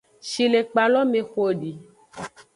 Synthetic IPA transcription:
ʃi˨le˨k͡pa˨lɔ˦me˨xo˦ɖi˨

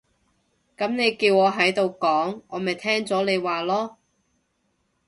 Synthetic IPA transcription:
kɐ˨˥mne˨˧jkiː˧wɔː˨˧ɦɐ˨˥jt̪o˨wkɔː˨˥ŋɔː˨˧mɐ˨jt̪ʰɛː˥ŋt͡sɔː˨˥le˨˧jwaː˨lɔː˥

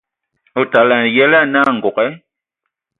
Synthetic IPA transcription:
o˨ta˨la˨n˨jɛ˦la˦na˦˨ŋ̩˨ɡɔ˨kɛ˦

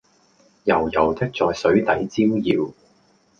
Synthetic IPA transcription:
jɐ˨˩wjɐ˨˩wt̪ɪ˥k̚t͡sɔː˨˧jsɵ˨˥ɥt̪ɐ˨˥jt͡siː˥mjiː˨˧w

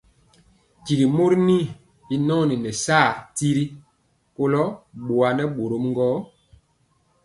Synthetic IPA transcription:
ci˨ɡi˨mo˦ɾni˦ | i˦nɔː˦ni˨nɛ˨saː˦˨ti˦ɾi˦ | ko˦lɔ˦ɓo˨a˨nɛ˦ɓo˨ɾo˨˦mŋ˦ɡɔː˦

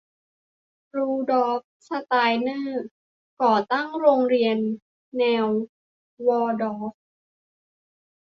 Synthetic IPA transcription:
ɾuː˧dɔː˨˦˥f̚sa˧t̪aː˧jnɤː˥˩ | kɔː˨˩t̪a˥˩ŋɾoː˧ŋɾi˧ənː | ɛː˧w | wɔː˧dɔː˨˦f̚

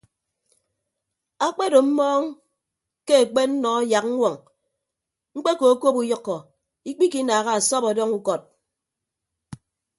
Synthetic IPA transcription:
a˦k͡pe˦do˨m̩˦mɔː˦ŋ | ke˦e˨k͡pe˦n̩˦nɔ˨˦ja˨k̚ŋ̩˦wʷɔ˨ŋ | ŋ͡m̩˦k͡pe˦ko˨˦ko˦pu˦jʌ˦kːɔ˨ | i˦k͡pi˦ki˦naː˨ɣa˦a˨sɔ˦pɔ˨dɔ˦ŋu˦kɔ˨t̚

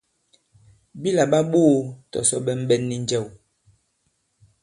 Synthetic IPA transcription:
bi˦la˨ɓa˦ɓo˦˨tɔ̰˨sɔ˦ɓɛ˦m̩˦bɓɛ˦nːi˦n˦d͡ʒɛ˦˨w

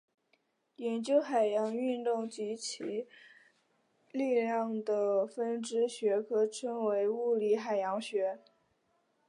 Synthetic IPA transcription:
jɛ˧˥nt͡ɕjo˥ʊxa˨˩ɪjɑ˧˥ŋy˥˧nt̪ʊ˥˩ŋt͡ɕi˧˥t͡ɕʰi˧˥ | li˥˧ljɑ˥˩ŋd̪ə˩fə˥nʈ͡ʂɻ̩˥ɕɥɛ˧˥kʰɤ˥ʈ͡ʂʰə˥ŋwe˧˥ɪu˥˩li˧˥xa˨˩ɪjɑ˧˥ŋɕɥɛ˧˥

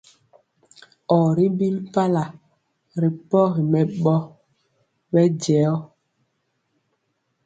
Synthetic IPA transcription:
ɔ˨ɾi˦bi˦lpa˦la˨ | ɾi˨pɔ˦ɣi˨mɛ˨ɓɔ˦ | ɓɛ˦d͡ʒɛ˨˦ɔ˦

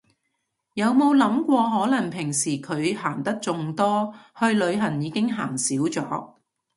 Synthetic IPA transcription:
jɐ˨˧wmo˨˧wlɐ˨˥mkʷɔː˧ɦɔː˨˥lɐ˨˩ŋpʰɪ˨˩ŋsiː˨˩kʰɵ˨˧ɥhaː˨˩ŋt̪ɐ˥k̚t͡sʊ˧ŋt̪ɔː˥hɵ˧ɥlɵ˨˧ɥɦɐ˨˩njiː˨˧kɪ˥ŋɦaː˨˩ŋsiː˨˥wt͡sɔ̰ː˨˥

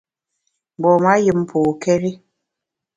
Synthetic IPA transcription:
bɔ˨ma˦jɨ˨m˦pʰu˨kɛ˦ɾi˦

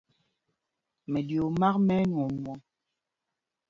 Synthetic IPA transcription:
mɛ˨djo˨ma˦kmɛ˦nwɔ˨mwɔ˨˦

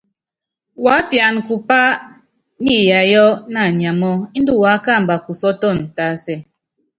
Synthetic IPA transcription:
wa˨˦pja˨n˨ku˨pa˦ | ni˦ja˨jɔ˦na˨ɲ˨a˨mɔ˦i˦n̩˦du˦˨wa˨˦ka˦˨m̩˨ba˨ku˨sɔ˦tɔ˦˨n˨ta˨˦sɛ˨˦

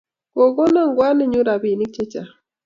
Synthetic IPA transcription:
ko˨ɡo˦na˦˨ŋɡwa˦ne˦ɲu˦ɾa˨bi˨ni˦k̚t͡ʃe˦t͡ʃa˨

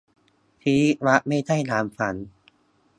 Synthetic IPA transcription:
t̪ʰiː˦˥wa˦˥ʔma˥˩jda˥˩jnaː˩˦mfa˩˦n

